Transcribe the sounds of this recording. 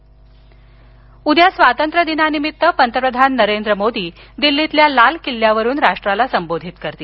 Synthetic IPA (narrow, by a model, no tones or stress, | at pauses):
ud̪ʱjasʋat̪ənt̪ɾəd̪inanimit̪ːəpənt̪əpɾəd̪ʱanːəɾend̪ɾəmod̪iː | d̪ilːit̪ljalalkilːjaʋəɾuːnɾaʂʈɾalasəmbod̪ʱit̪kəɾt̪iː